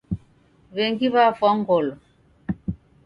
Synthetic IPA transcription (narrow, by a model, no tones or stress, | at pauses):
βɛŋɡiβafaŋɡɔlɔ